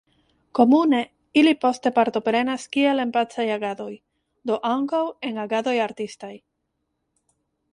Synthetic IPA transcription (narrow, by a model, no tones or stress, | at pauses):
ko̞mune̞ | ilipo̞ste̞paɾt̪o̞pɾe̞naskielempat͡sajaɡad̪o̞j | d̪o̞ʔaŋkawe̞ŋaɡad̪o̞jaɾt̪istaj